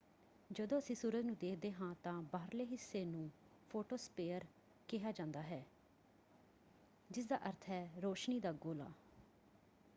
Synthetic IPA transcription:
d͡ʒəd̪õːəsĩːsuːɾəd̪nũːd̪eːkʰd̪eːɦãːt̪ãːbaːɾleːɦɪsːeːnũː | pʰoːʈoːspeːəɾ | kɪɦaːd͡ʒãːnd̪aːɦɛː | d͡ʒɪs̬d̪a̰ːʔəɾt̪ʰɦɛːɾoːʃniːd̪aːɡoːla̰ː

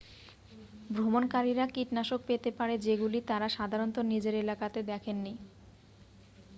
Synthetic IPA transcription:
bɾomonkaɾiɾakiʈnaʃok̚pet̪epaɾed͡ʑeɡulit̪aɾaʃad̪ʱaɾont̪onid͡ʑeɾelakat̪ed̪ɛkʰenːi

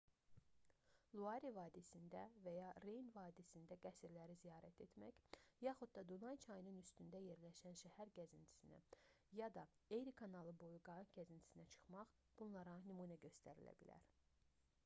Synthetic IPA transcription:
lˠuɑɾivɑːd̪isind̪ævæjɑɾejnvɑːd̪isind̪æɡæsiɾlæɾizijɑːɾæt̪ʰe̞t̪mæ̰çjɑχud̪̚d̪ɑd̪unɑjt͡ʃʰɑjnɯnyst̪ynd̪æje̞ɾlæʃænʃæhæɾɟæzint̪ʰi̥sinæ̰ | jɑd̪ɑejɾikʰɑnɑlˠɯbo̞juɡɑɟæzint̪ʰi̥sinæt͡ʃʰɯ̥χmɑχ | b̥unlˠɑɾɑnymunæɟø̞st̪ʰæɾilæ̰bilæ̰ɾ

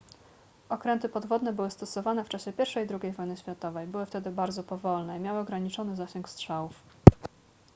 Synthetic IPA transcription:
ɔkɾɛnt̪ɘpɔd̪vɔd̪nɛbɘwɘst̪ɔsɔvanɛft͡ʂaɕɛpʲjɛɾfʂɛjd̪ɾuɡʲejvɔjnɘɕfʲjat̪ɔvɛjbɘwɘft̪ɛd̪ɘbaɾd̪zɔpɔvɔlnɛimʲjawɘɔɡɾaɲit͡ʂɔnɘzaɕɛŋkstʂawuf

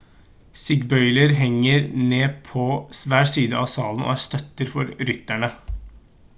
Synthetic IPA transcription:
sɪɡbœʏləɾɦɛŋːəɾneːpʰɔsʋæːʈsiːd̪əʔɑsɑːln̩o̰ːæst̪œt̪ːəɾfɔɾɾʏt̪ːæɳə

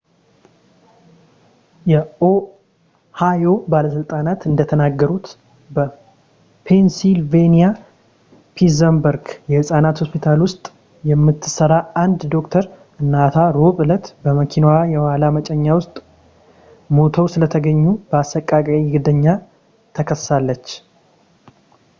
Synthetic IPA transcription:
jɛo | hajo̞baləsɨlt̪ʼanat̪ɨnd̪ət̪ʰənaɡːəɾut̪ | bə | pʰensilvenija | pʰizəmbəɾɡjɛhɨsʼanat̪ho̞spit̪ʰalwʊst̪ʼ | jɛmːɨt̪ʰːɨ̥səɾaand̪d̪o̞kt̪ʰəɾ | ɨnːat̪ʰaɾoβɨlət̪bəməkʰinwajɛwalamət͡ʃʼɛɲːawʊst̪ʼ | mo̞t̪ʰəwsɨlət̪ʰəɡəɲːub̥əasːəkʼːakʼaiɡɨd̪əɲːa | t̪ʰəkʰəsːalːət͡ʃː

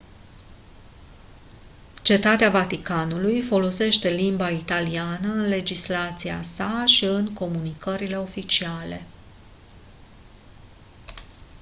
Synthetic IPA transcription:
t͡ʃe̞t̪at̪eavat̪ikanulujfo̞lo̞se̞ʃt̪e̞limbait̪alianəɨnle̞d͡ʒislat̪sia̰saʃiɨŋko̞munikəɾile̞o̞fit͡ʃiale̞̰

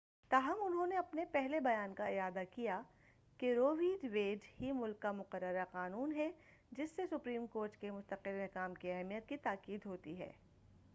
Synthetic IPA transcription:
t̪aːɦɐmʊnɦõneɐpnepɛɦlebɐjaːnkaɪaːd̪akija | keɾoːʋĩːɖʋeːɖhimʊlkːamʊqəɾːəɾaqaːnuːnɦɛ | d͡ʒɪsːesʊpɾiːmkoːɾʈkemʊst̪əqɪlmɛɦkaːmkiɛɦɛmijət̪̚kit̪aːkiːd̪ɦoːt̪iɦɛ̰ː

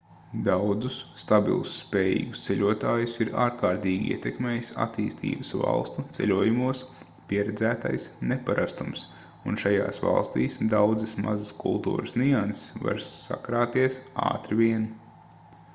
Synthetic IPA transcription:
d̪awd̪zusːt̪abḭlˠusːpɛːjḭːɡust̪seʎʲuɔt̪aːjusiɾaːɾkaːɾt̪iːɡʲiḭɛt̪ɛkmeːjsa̰t̪iːst̪ʰḭːbəsva̰lˠst̪ut̪sɛ̰lʲuɔjumuɔs | pʲiɛɾɛd̪zæːt̪ajsnepaɾast̪ums | unʃaja̰ːsva̰lˠst̪iːsd̪awd̪zɨsma̰zɐskṵlˠt̪ṵːɾəsniansɪ̥sva̰ɾsːa̰kɾaːt̪iɛsa̰ːt̪ɾivʲiɛn

